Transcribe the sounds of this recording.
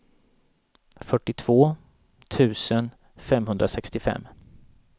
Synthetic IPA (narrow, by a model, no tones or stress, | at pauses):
fœʈːɪt̪ʰv̥oː | t̪ʰʉ̟ːsən | fɛmɦɵnd̪ɾasɛkst̪ɪfɛ̰mː